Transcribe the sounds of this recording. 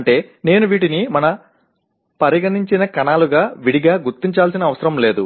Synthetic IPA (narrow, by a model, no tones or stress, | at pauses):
ɳʈe̞ːne̞ːnuʋiːʈinimɐnɐ | pɐɾiɡɐniɲt͡ʃinɐkɐnaːluɡaːʋiɽiɡaːɡuɾt̪ːiɲt͡ʃaːlsinɐːʋɐsɐɾɐmle̞ːd̪ṵ